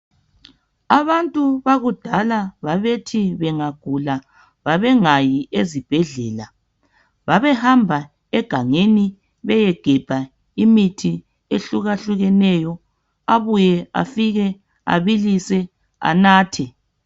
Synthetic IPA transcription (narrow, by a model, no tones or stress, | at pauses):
aβantʼuβaɣud̥ʱalaβaβetʰiβɛŋaɡ̥ʱula | βaβɛŋajiʔezib̥ʱɛɮɛːla | βaβɛhambʱa | ɛɡ̥ʱaŋeni | βɛjɛɡ̥ʱɛb̥ʱa | imitʰi | eɬuɣaɬuɣɛnɛjɔ | aβujɛa̰fiɣɛ | a̰βilisɛ | a̰naːtʰɛ